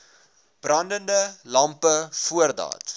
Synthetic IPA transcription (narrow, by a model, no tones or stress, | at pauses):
b̥rɐndəndəlɐmpəfuərdɑ̰ːt